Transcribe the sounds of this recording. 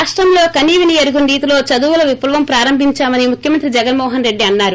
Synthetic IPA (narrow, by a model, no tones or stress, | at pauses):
aːʂʈɾɐmlo̞ːkɐniːʋinieɾuɡunɖiːt̪ulo̞ːt͡ʃɐd̪uʋulɐʋiplɐʋɐmpɾaːɾɐmbʱiɲt͡ʃaːmɐnimukʰjɐmɐnt̪ɾid͡ʒɛɡɐnmɔːɦɐnɾe̞ɖːiɐnːaːɾu